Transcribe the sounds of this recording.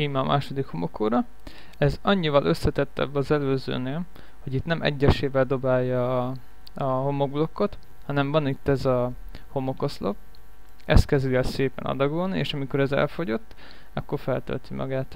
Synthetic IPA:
imɛːmʔaːʃo̞d̪ikhomo̞kʰːoːɾɒ | ɛzɒɲːivɒlʔø̞sːɛt̪ɛt̪ːɛ̰bːɒzɛløːzø̰ːneːl | ho̞ɟit̪nɛmɛ̰ɟːɛʃeːvɛld̪o̞baːjːɒ | ɒho̞mo̞ɡ̚blo̞kːo̞t̪ | hɒnɛɱvɒnit̪ːɛzɒ | ho̞mo̞ko̞slop | ɛst̪̚kɛzd̪ilɛlseːpɛ̰nɒ̰d̪ɒɡolnieːʃɒmiko̞ɾɛzɛ̰lfo̞ɟo̞t̪ː | ɒkːo̞rfɛlt̪ø̰lt̪imʔɒ̰ɡaːt̪

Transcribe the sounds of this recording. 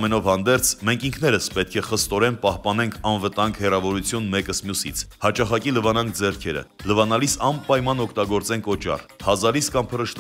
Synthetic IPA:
mɛnɔvhɑnd̪ɛɾt͡sʰmɛŋkʰiŋkʰn̪ɛɾəspɛt̪̚kʰɛχəst̪ɔɾɛnpɑhpɑnɛŋkʰɑnvət̪ɑŋɡhɛrɑvɔɾut͡sʰjunmɛkəsmjusḭt͡sʰhɑt͡ʃɑχɑkiləvɑnɑŋkʰd͡zɛɾkʰɛɾə̰ləvɑnɑlisɑmpɑjmɑnɔkʰt̪ɑɡɔɾt͡sɛnkʰɔt͡ʃɑ̰rhɑzɑliskɑmpʰəɾəʃt̪

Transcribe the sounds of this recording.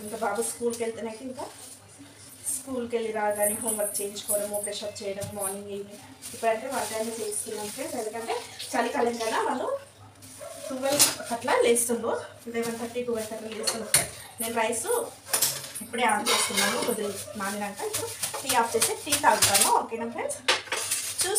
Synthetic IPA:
iŋkabaːɡuskuːlkelt̪unɐkiiŋkaː | skuːlkelːiɾaːɡaːniɦoːmʋɐɾ̚t͡ʃe̞ːɲd͡ʒu̥kɔːɽɐmoːpeːʃɐːp̚t͡ʃɛːjɐɽɐmːaːɾniŋɡii | ipːuɽɐɳʈeːʋaːɾʈaːnit͡ʃeːst̪unːɐnʈeːɐnd̪kɐɳʈeːt͡ʃɐlikɐlɐŋɡaːɾaːʋalːu | kuʋelt̪ʰɐʈlɐleːst̪und̪o | d̪eːʋɐnt̪ʰɐʈːiːkubɐlt̪ʰɐʈlɐleːst̪unue | ne̞ːnuɾɐjsu | ipːuɽeːaːp̚t͡ʃeːst̪unːaːnuod̪ulumaːninɐɳʈaipːuɽupiːaːp̚t͡ʃeːseːʈiːt̪aːɡt̪aːmaoːkenɐmpʰleːd͡ʒ | t͡ʃuː

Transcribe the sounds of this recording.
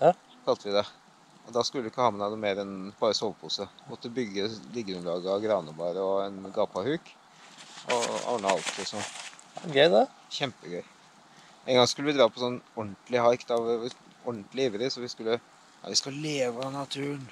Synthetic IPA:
kʰɑlt̪əʋɪd̪ɛ | ɔd̪ɑskʉlːəɪkːəhɑmənɑd̪əmeːɾɛnb̥ɑːɾəsɔʋpʰuːsəmɔt̪ːəbʏɡːəlɪɡːəɾʉnlɑːɡəɑɡɾɑːnəbɑːɾəɔɛnɡɑːpɑhʉːk | ʔɔ̰ɑ̰ːɳəɑlt̪ʰɪsɔnɡœʏd̪ɛ | çɛmpəɡœʏ | ɛːŋɡɑŋskʉlːəʋɪd̪ɾɑːpʰɔsɔnːɔɳʈ̪lɪɦɑɾkt̪ɑʋ | ɔɳt̪lɪɪːʋəɾəsɔʋɪskʉlːə | ɑ̰ʋɪskɑleːʋənɑt̪ʰʉːəɳ

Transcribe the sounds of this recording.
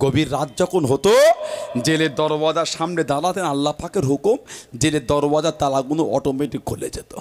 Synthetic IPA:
ɡobiɾːat̪̚d͡ʑɔkʰonɦot̪od͡ʑeleɾd̪ɔɾobad͡ʑaɾʃamned̪alat̪enalːapakeɾɦokumd͡ʑeleɾd̪ɔɾbad͡ʑat̪alaɡunoɔʈomeʈik̚kʰːolḛd͡ʑet̪o̥

